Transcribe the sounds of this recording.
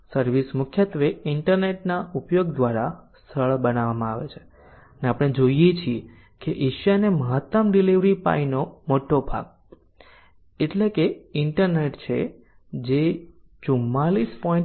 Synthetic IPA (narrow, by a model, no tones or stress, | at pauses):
səɾʋismʊkʰjət̪ʋeɪɳʈəɾneʈnaʔupjoɡ̚d̪ʋaɾast̪ʰəɭbənaʋamãaʋet͡ʃʰe̥ | əneapɽ̃ed͡ʒoijet͡ʃʰie | keʔiʃjaneməɦət̪ːəmɖiliʋɾipa̰inomoʈobʱa̰ɡ̚ | eʈlekeɪɳʈəɾneʈt͡ʃʰḛ | d͡ʒe | t͡ʃumːalispɔĩ